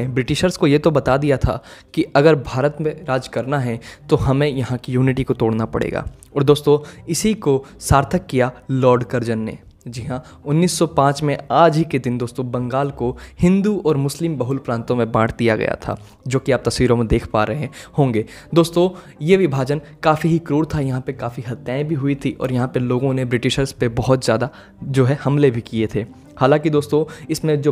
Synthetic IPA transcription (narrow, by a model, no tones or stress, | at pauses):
bɾɪʈɪʃəɾskojet̪obɐt̪ad̪ijat̪ʰa̰kiʔɐɡəɾbʱaːɾət̪mẽɾaːd͡ʒkɐɾnaɦɛt̪oɦɐmẽjɐɦãkijuːnɪʈikot̪oːɽnapɐ̰ɽḛːɡa̰ː | ɔːɾd̪oːst̪õɪsikosaːɾt̪ʰəkːijalɔːɾɖkɐɾd͡ʒənːḛ | d͡ʒɪɦã | ʊnːiːsːɔpãːt͡ʃmẽaːd͡ʒɦiked̪ɪnd̪oːst̪õbɐ̃ŋɡaːlkohɪ̃nd̪uɔːɾmʊslɪmbɐɦʊlpɾãːnt̪õmẽbãːɽ̤d̪ija̰ɡɐ̰ja̰t̪ʰa̰ː | d͡ʒoːkiaːp̚t̪ɐsʋiːɾõmẽd̪eːkʰpaːɾɐɦeɛ̃hõːŋɡeː | d̪oːst̪õ | jeʋɪbʱaːd͡ʒən | kaːfiɦikɾuːɽt̪ʰajɐɦãpekaːfiɦɐt̪jaːɪ̃bʱiɦʊit̪ʰiʔɔ̰ːɾjɐɦãpeloːɡõnebɾɪʈɪʃəɾspebɔɦɔt̪zjaːd̪a | d͡ʒoːɦɛhɐmlebʱikiet̪ʰeː | haːlãːkid̪oːst̪õɪsmẽd͡ʒoː